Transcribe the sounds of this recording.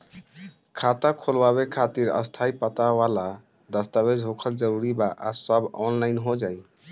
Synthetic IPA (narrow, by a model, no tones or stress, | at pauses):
kʰat̪akʰolbaβekʰat̪iɾə̰st̪ʰaipət̪awala | d̪əst̪aβed͡ʒɦokʰəld͡ʒəɾuɾibaʔa̰səbɔnlajnɦod͡ʒaj